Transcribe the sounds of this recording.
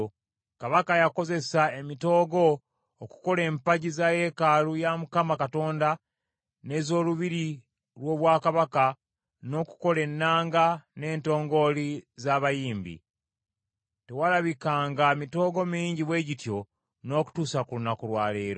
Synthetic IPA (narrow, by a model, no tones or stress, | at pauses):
kaβakajako̞ze̞saemito̞ːɡo̞ː | ku̥ko̞le̞ːmpaɟizaje̞kalujamukamakato̞ːnda | ne̞zo̞ːluβiɾi | lwo̞ːβwaːkaβaka | no̞ku̥ko̞le̞nːaːŋɡane̞ːnto̞ːŋɡo̞lizaːβajiːmbḭ | tewalaβikaːŋɡamito̞ːɡo̞miiːɲɟiβwe̞ːɟitjo̞ | no̞ːku̥tuːsakulunakuɾwaːleːɾo